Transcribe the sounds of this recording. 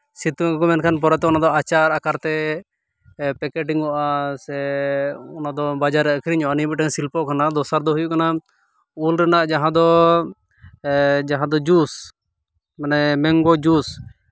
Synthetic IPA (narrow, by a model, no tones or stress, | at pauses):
sit̪ukɔmɛnkʰanpɔɾɛt̪ɛɔnad̪ɔat͡ʃaɾakaɾt̪ɛ | pɛkɛʈiŋɔʔasɛ | ɔnad̪ɔbad͡ʒaɾɛəkʰɾiɲɔanibɛʈɛɲsilpɔkʰanad̪ɔsaɾd̪ɔɦujuʔkana | ulɾɛnaʔd͡ʒaɦãd̪ɔ | d͡ʒaɦãd̪ɔd͡ʒus | manɛmɛŋɡɔd͡ʒus